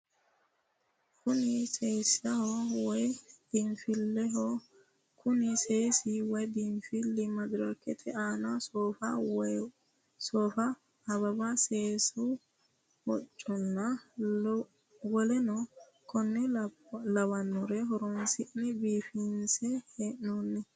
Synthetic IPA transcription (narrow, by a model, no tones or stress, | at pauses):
kʊnɪsejsɐhɔwɔjd̪̥ɪmfɪlːɛɦɔ | kʊnɪseːsɪwɔjd̪ɪmfɪlːɪmɐd̪ʊɾakːɛt̪ʰɛaːnɐsɔfɐ | soːfɐː | bɐbɐseːsʊ | wɔt͡ʃʼːɔnːɐ | wɔlɛnɔ | kʰɔnːɛlɐwɐnːɔɾɛɦɔɾɔnsɪʔnɛbiːfinsɛheːʔnonːɛ